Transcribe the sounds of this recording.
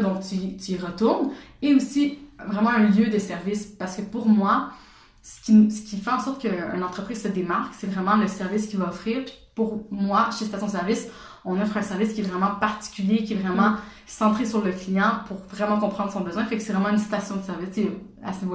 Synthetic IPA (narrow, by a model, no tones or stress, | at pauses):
d̪ɔ̃k̚t̪yt̪yiʁət̪uʁneosivʁɛmɑ̃ɛ̃ljød̪əsɛʁvispaʁsə̥kəpuʁmwa | sə̥kʲisə̥kʲifɛɑ̃sɔχt̪kəy̰nɑ̃t̪χəpχiːz̥səd̪emaʁksɛvʁɛmɑ̃ləsɛʁviskʲivaɔfχiːʁpi̥puʁmwaʃest̪asjɔ̃d̪əsɛʁvis | ɔ̃nɔfχɛ̃sɛʁviskʲiɛvʁɛmɑ̃paʁt̪i̥kʲyljekʲiɛvʁɛmɑ̃ | sɑ̃t̪χesyʁləklijɑ̃puʁvʁɛmɑ̃kɔ̃pχɑ̃d̪ʁəsɔ̃bəzwɛ̃fɛksɛvʁɛmɑ̃ynsi̥t̪asjɔ̃d̪əsɛʁvist͡se | a̰sənivo